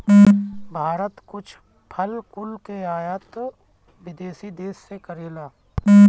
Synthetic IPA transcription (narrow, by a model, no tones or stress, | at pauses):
bʱaːɾət̪kʊt͡ʃʰ | pʰəlkʊlkeaːjət̪ | ʋɪd̪eːsid̪eːsːekəɾeːlaː